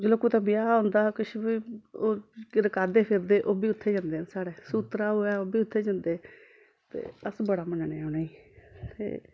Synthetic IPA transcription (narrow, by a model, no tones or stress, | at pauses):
d͡ʒoloːkuːt̪ãːbɪjaːɦõːnd̪aːkɪʃbiːoːkɪɾəkaːd̪eːpʰɪɾd̪eːʔoːbiːʊt̪ʰːeːd͡ʒãːnd̪eːnsaːɽeːsuːt̪ɾaːɦoːaːoːbiːʊt̪ʰːeːd͡ʒə̃nd̪eː | t̪ḛːəsbəɽaːmənneːʊnaːiːt̪ḛː